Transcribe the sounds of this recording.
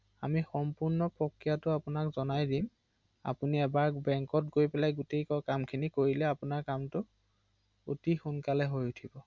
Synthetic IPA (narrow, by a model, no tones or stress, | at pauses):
a̰mixɔmpuɹnɔpɹɔkːijatʊapʊnakzɔnajdim | a̰puniɛbaɹbɛŋkɔt̚ɡojpɛlajɡʊtejkɔkamkʰinikoɹilɛapʊnaɹkamtʊ | otixʊnkalɛɦojutʰibɔ